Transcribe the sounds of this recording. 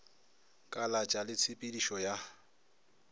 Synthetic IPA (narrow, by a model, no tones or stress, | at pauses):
kʼalat͡ʃʼalɪt͡sʰɪpʼidiʃɔja